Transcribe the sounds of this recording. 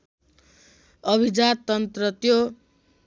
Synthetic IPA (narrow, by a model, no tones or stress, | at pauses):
ʌbʱid͡zat̪ʌnt̪rʌt̪jo